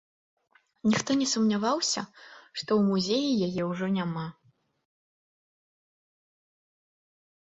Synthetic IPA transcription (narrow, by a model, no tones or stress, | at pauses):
nʲixt̪ɔnʲɛsumnʲavawsʲɐ̰ʂt̪ɔwmuzʲejijajɛwʐɔnʲama